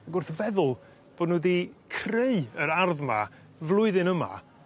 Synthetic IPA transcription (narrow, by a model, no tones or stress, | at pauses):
aɡʊrθəvɛðʊlˠ | b̥oːdnuːdikʰreɨəɾarðma̰ | vlˠʊɨðɨnəma̰